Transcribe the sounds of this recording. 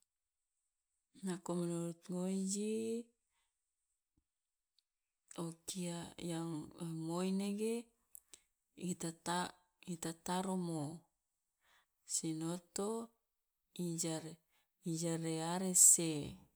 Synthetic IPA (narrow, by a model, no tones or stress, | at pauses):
nakomenoɾut̪ŋod͡ʒi | okiajaŋmojneɡe | it̪aa | it̪at̪aɾomo | sinot̪o | id͡ʒa | id͡ʒaɾeaɾese